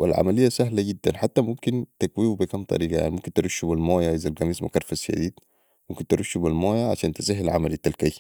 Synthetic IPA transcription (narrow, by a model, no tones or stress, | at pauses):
a̰lʕa̰malɪijːasaɦlaɡid̪ːanħat̪ːamumkint̪aɡwiːwubikamt̪ˤɑ̰ɾiːɡɑja̰ʕnimumkint̪ɾuʃːubalmaːjaʔizalɡamiːsmukɑɾˤfasʃa̰d̪iːd̪ | mumkint̪ɪɾʔuʃːubilmaːjaʕa̰ʃaːnt̪asɪħalʕa̰malit̪ːalkaj